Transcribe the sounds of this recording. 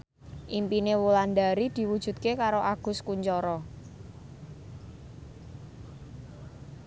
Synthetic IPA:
ʔimpinewuland̪aɾid̪̥i̤wud̥ʒ̥ṳt̪̚kekaɾoʔaɡ̥ʊ̤skuɲt͡ʃɔɾɔ

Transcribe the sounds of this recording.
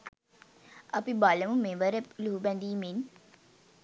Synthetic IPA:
ɐpibaləmumeʋəɾəluɦubɛnd̪iːmen

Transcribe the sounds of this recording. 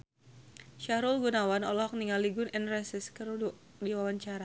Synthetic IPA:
ʃaɾulɡunawanɔlɔɦɔk̚niŋaliɡʊnɛnrɛsɪskəɾu | diwawaɲt͡ʃaɾa

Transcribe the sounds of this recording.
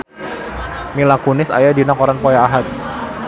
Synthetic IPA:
milakunɪsa̰jadinakɔɾanpɔjaːɦat̪̚

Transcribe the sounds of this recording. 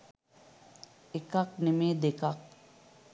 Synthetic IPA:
ekak̚nemeːd̪ekak̚

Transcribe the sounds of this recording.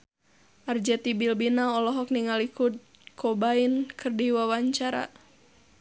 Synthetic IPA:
ʔard͡ʒɛt̪ibilbinaɔlɔɦɔk̚niŋalikut̪̚ | kʰɔbainkʰɨrdiwawaɲt͡ʃaɾa̰

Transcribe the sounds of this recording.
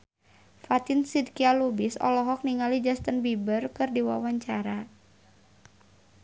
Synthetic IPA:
fat̪insidkialubisɔ̰lɔɦɔk̚niŋalid͡ʒast̪ənbibərkɨrdiwa̰waɲt͡ʃaɾa

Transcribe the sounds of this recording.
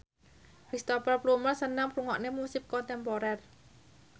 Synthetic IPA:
kɾist̪opərplumərsənaŋpɾuŋɔʔnemusɪp̚kɔnt̪ɛmpoɾɛr

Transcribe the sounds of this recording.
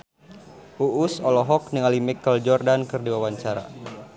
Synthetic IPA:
uʔusɔlɔɦɔk̚niŋalimikːəld͡ʒɔrdankərdiwawaɲt͡ʃaɾa̰

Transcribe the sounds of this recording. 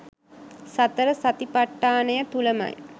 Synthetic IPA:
sat̪əɾəsat̪ipaʈːaːnəjət̪uləma̰j

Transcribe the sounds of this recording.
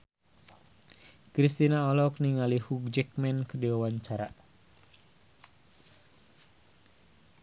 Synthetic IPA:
kɾist̪inaɔlɔkniŋalihuk̚d͡ʒɛk̚mɛnkədiwawaɲt͡ʃaɾa

